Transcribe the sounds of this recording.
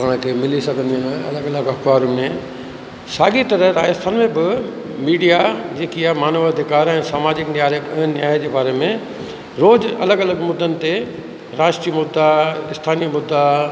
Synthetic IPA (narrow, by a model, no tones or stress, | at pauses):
ɐə̃kʰemɪlisɐɡʱə̃nd̪inɐ̰ləɡɐləɡɐkʋaːɾumẽ | saːɡit̪ɐɾəɾaːɪst̪ʰənmẽbɪ | miːɖijad͡ʑeːkijamaːnəʋɐd̪ʱɪkaːɾɛ̃ːsaːmaːd͡ʑɪknɪjaːɾeʊɦənnjaːɪd͡ʑeːbaːɾemẽ | ɾoːd͡ʑɐ̰ləɡɐləɡmʊd̪ːənɪ̆t̪e | ɾaːsʈɾimʊd̪ʱːaɪst̪ʰaːnimʊd̪ːa